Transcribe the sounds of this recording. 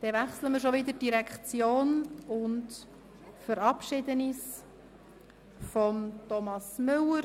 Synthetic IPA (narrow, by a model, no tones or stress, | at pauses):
d̥ɛʋæχsləməɾʃɔʋɪd̪əd̥iɾɛkχt͡sjoːnʊnt | fəɾɑpʃɪd̪ənis | fɔmtɔmɑsmʏləɾ